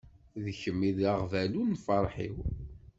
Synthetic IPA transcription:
ðəçəmːiðaʁvælunfɑɾˤħḭw

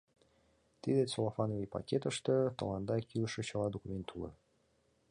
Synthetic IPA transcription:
t̪id̪esolˠofɑnovʲipɑ̰kʲet̪əʃt̪ɤ̆t̪ɤ̰̆lɑnd̪ɑkʲiləʃə̆t͡ɕəlˠɑd̪okumʲent̪ʰːulɤ̰

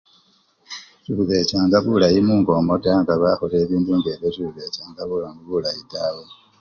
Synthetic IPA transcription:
t͡ʃiβuβe̞t͡ʃaːŋɡaβulajimuːŋɡo̞modaŋɡaβaxole̞ːβiːnduːŋɡeβjotiβuβe̞t͡ʃaːŋɡaβulaŋuβulajidawe

